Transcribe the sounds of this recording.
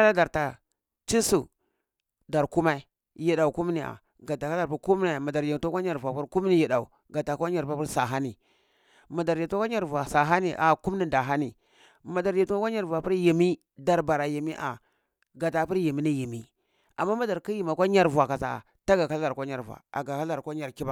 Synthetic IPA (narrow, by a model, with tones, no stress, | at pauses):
a˦la˦da˨ɾta˨ | t͡ʃi˦su˨ | da˨ɾku˦ma˦ | ji˨ɗa˨u˨ku˦mni˨a̰˨ | ɡa˨ta˨ka˦da˨ɾpu˦ku˦m˦na˨ma˨da˨ɾji˨m˨ta˦kʷa˦ɲa˨ɾva˨pu˦ɾku˦mni˦ji˨ɗa˨ṵ˨ | ɡa˨ta˨ka˦ɲa˨ɾva˦pu˦ɾsa˨ɦa˦ni˨ | ma˨da˨ɾji˨ta˦kʷa˦ɲa˦˨ɾva˨sa˨ɦa˦ni˨ʔa̰˨ku˦m˦ni˦da˨ɦa˦ni˨ | ma˨da˨ɾji˨tu˦a˦kʷa˦ɲa˨ɾva˨pi˦ɾji˨mi˦ | da˨ɾba˨ɾa˨ji˨mi˦ʔa̰˨ | ɡa˨ta˨pi˦ɾji˨mi˦ni˦ji˨mi˦ | a̰˨mːa˦ma˦da˨ɾki˦ji˨ma˨kʷa˦ɲa˨ɾva˨ka˨sa˨a̰˨ | ta˦ɡa˨ka˦la˨ɾkʷa˦ɲa˨ɾvʷa̰˨a̰˨ɡa˨ka˦a˨ɾkʷa˦ɲa˨ɾki˦ba˦˨